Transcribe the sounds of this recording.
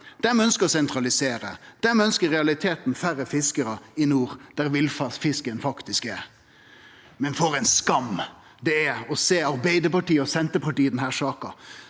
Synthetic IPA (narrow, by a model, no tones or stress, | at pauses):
d̪̥ɛmɛœnskəɾɔsɛnt̪ɾɑlɪseːɾə̰d̪̥æmɛœnskəɾɛɑlɪt̪ʰeːt̪nfæɾəfɪskəɾəɪnuːɾd̪̥æɾʋɪlfɑfɪskənfɑkt̪ɪskɛɾ | mɛnfoːɾæɪnskɑm | d̪ɛæɔseːɑɾbæɪd̪əɾpɑʈiːəɔsɛnt̪əpɑʈiːəd̪ɛnhæːʁsɑːkɑ